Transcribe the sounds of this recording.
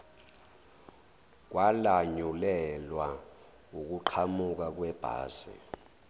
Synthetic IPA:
k̬wʔalaɲulɛlwa | uk̬uǃʰamuk̬ak̬wɛb̥ʱa̰ːzɛ̰

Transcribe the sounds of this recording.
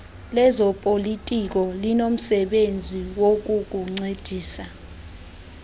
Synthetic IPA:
lɛzɔpʼolitʼik̬ʼɔlinom̩sɛɓend͡zʱiwok̬ʼuk̬ʼuŋ͡ǀed̥ʱiːsa

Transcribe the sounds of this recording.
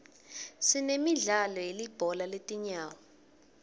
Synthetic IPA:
sinemiɮalɔjelib̥ʱɔlaletʼiɲaːwɔ

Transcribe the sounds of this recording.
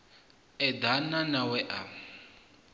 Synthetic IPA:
ɛd̪ananawɛʔa

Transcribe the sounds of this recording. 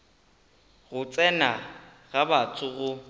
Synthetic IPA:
ɣʊt͡sʼɛna | ɣabat͡sʰʼʊɣʊ

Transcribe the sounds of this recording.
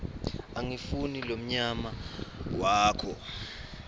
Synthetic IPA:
aŋifunilom̩ɲamawaːkʰɔ

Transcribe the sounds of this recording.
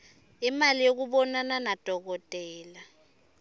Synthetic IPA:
imalijok̬uɓɔnananad̥ʱɔk̬ɔtʼɛːla

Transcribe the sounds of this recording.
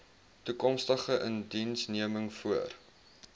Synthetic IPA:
tukɔmstəχəʔəndinsniəməŋfuər

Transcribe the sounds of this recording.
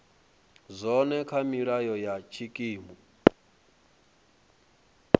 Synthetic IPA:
zʷɔnɛkʰamiɺajɔjat͡ʃʰikʼiːmbu

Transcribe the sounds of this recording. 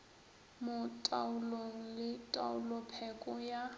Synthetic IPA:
mʊtʼaʊloŋ̩lɪtʼa̰ʊlʊpʰɛkʼʊja

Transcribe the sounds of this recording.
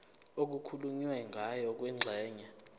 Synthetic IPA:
ok̬ukʰuluɲiwɛŋɡʱajɔk̬wɛŋ͡ǁʱɛːɲɛ

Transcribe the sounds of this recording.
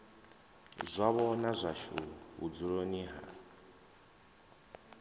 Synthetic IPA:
zʷaβɔnazʷaʃuɦud͡zuɺoniɦa̰

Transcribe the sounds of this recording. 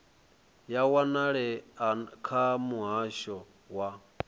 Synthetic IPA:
jawanaɺɛakʰamuɦaʃɔ | wa

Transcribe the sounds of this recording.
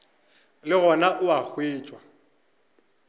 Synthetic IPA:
lɪɣɔnaʔʊak͡xʰweːt͡ʃʼwa

